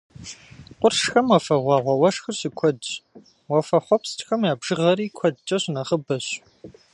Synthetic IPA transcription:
qʷʼʊrʂxɐmɐfɐʁʷɑːʁʷɐwɐʂxɨrɕɪkʷʰɔdt͡ʃ | wɐfɐχʷɔpstʰʼxɐmjaːbʒɨʁɐɾiːkʷʰɔdt͡ʃʼɐɕnɐχəbɐɕ

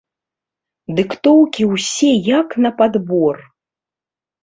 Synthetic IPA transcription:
d̪ɨkt̪ɔwkʲiwsʲɛjɐknɐpad̪bɔr

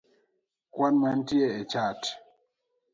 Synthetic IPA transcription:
kwanmantjɛɛt͡ʃat

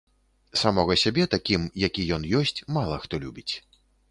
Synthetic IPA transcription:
samɔɣɐsʲabʲɛt̪akʲimjakʲijɔnjɔsʲt͡sʲmalˠɐxt̪ɔlʲubʲit͡sʲ

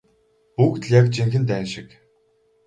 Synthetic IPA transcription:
pukt̪ɮʲjakt͡ɕiŋxɘ̆nt̪̬æːnʃɪ̆k

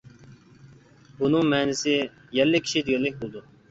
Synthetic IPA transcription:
bunɨŋmɛːnɪsɪ | jɛlːɪkʲʰi̥ʃid̪ɪɡʲɛlːɪk̚ʲbolˠd̪u

